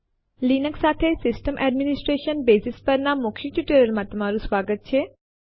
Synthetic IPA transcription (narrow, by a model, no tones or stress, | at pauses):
liːnəksaːt̪ʰesɪsʈəmʔɛːɖmɪnɪsʈɾeːʃənbeːsɪspəɾnamʊkʰiʈ̪juːʈəɾəlmãt̪ʊm̤aːɾusʋaːɡət̪̚t͡ʃʰeː